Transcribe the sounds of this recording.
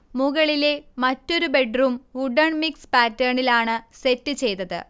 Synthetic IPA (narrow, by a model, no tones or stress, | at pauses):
muɣɐɭile̞mɐtːo̞ɾube̞ɖruːmuɖɐɳmikspaːtːɐːɳilaːɳɨse̞tːɨt͡ɕe̞jt̪ɐðɨ̰